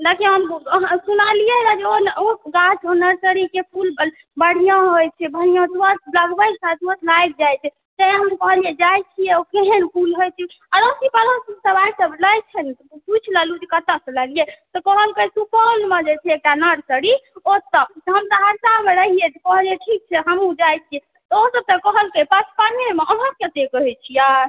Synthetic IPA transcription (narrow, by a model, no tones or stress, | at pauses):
d̪akiɦəmɦsunalijeɾad͡ʒeonoɡat͡ʃʰonəɾsəɽikepʰulb | bəɽ̤ijãɦojt͡ʃʰɛbʱənijãt̪wət̪̚bləɡbəjsat̪ət̪ʰlajk̚d͡ʒajt͡ʃʰɛ | t̪əɦəmkəɦlijɛd͡ʒajt͡ʃʰijɛokeɦenpʰulɦojt͡ʃʰɛ | aɾosipaləssəbajsəbləjt͡ʃʰɛnit̪put͡ʃʰlalud͡ʒikət̪əsəlaliet̪ɔkəɦəlkesupəlmẽd͡ʒet͡ʃʰɛek̚ʈanəɽsəɽiosəb̚t̪ɔɦəmt̪əɦəɾsameɾəɦijet̪ɔkəɦlieʈʰik̚t͡ʃʰɛɦəmud͡ʒajt͡ʃʰiɛ | t̪ɔosəb̚t̪əkəɦəlkepat͡ʃʰpanemeʔənɦəkket̪ekəɦɛt͡ʃʰija